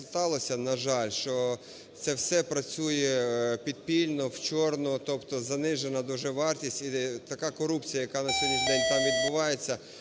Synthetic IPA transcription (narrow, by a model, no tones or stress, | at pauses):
t̪ɑlˠɔsʲɐnɐʒɑlʲʃt͡ʃɔ | t̪sɛwsɛpɾɐt͡sʲujɛpʲid̪̚pʲilʲnɔwt͡ʃɔrnɔt̪ɔpt̪ɔzɐnɪʒenɐd̪ɔʒɛʋɑrtʲisʲtʲit̪ɐkɑkɔɾupt͡sʲijɐjɐkɑnɐsʲolʲizd̪ɛnʲt̪ɑmʋʲid̪bʊʋɑjet͡sʲːɐ